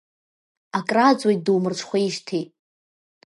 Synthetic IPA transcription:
akʼrad͡zʼwojt̚dɨwmɨrt͡ʃʷʰχʷaiʃtʰetʼ

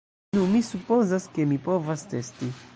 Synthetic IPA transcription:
nũmisupozaske̞mipo̞vaste̞sti

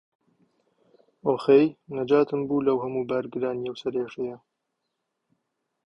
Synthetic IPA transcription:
oːxejnɐd͡ʒaːt̪ɨmbuːlɐwhɐmuːbaːɾɡɨɾaːnijɐwsɐɾeːʃɐjɐ

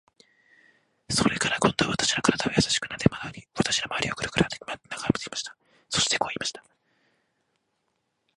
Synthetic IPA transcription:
so̞ɾe̞kaɾakõ̞nd̪oβat̪ḁɕiɾakaɾad̪aajasaɕi̥kɯ̟nad̪emaɾʲiβat̪ḁɕiɾamaa̰ɾiokɯ̟ɾɯ̟kɯ̟ɾat̪emanaɡamɯ̥t̪e̥kʲimaɕi̥t̪ḁ | so̞ɕi̥t̪e̞ko̞ːimaɕi̥t̪ḁ

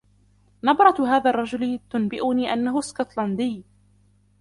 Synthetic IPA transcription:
nɑbɾˤɑt̪ɦaːðaːrˤːɑd͡ʒʊlɪt̪ʊnbɪʔʊniːʔanːaɦʊskʊt̪land̪ij

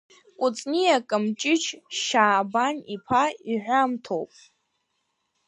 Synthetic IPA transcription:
kʷʼʊt͡sʼnijakʼɨmt͡ʃʼɪt͡ʃʰʃaːbanipʰaiʕᶣʷamtʰowpʼ

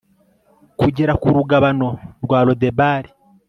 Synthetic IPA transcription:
kuɟeɾakuɾuɡaβano̞ɾɡwaːlo̞debaːɾi

